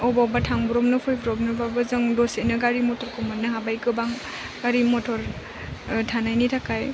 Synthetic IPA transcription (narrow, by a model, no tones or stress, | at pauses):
ɔbabatʰaŋbuɾɔmnɯpʰɔjbɔɾɔbnɯbabɯzɯŋdɔsenɯɡaɾimɔtʰɔɾkʰɔmanːɯɦabajkɯbaŋ | ɡaɾimɔtʰɔɾ | tʰanajnitʰakaj